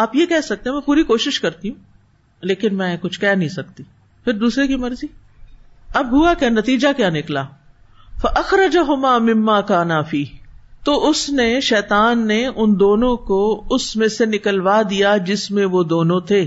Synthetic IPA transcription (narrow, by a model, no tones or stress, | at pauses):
aːpjekɛɦsɐk̚t̪eɦɛmɛ̃puːɾikoːʃɪʃkɐɾt̪iɦũ | leːkɪnmɛ̃ːkʊt͡ʃʰkɛɦnɐɦĩsɐk̚t̪i | pʰɪɾd̪uːsɾekimɐɾziː | ɐbɦʊakjanɐt̪iːd͡ʒakjaːnɪklaː | fɐʔɐxɾɐd͡ʒaɦʊmaːmɪmːaːkaːnafiːɦt̪oːʊsneʃɛːt̪aːnːeʔʊnd̪oːnõkoʊsmẽsenɪkəlʋad̪ijad͡ʒɪsmẽʋod̪oːnõt̪ʰeː